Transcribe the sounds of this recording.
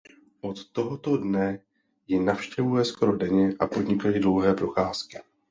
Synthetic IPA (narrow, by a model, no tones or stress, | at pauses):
ʔo̞t̪ːo̞ɦot̪o̞dnɛ | jɪnafʃcɛvujɛsko̞ɾo̞dɛɲɛʔapo̞dɲɪkajidlo̞wɦɛːpɾo̞xaːskɪ̥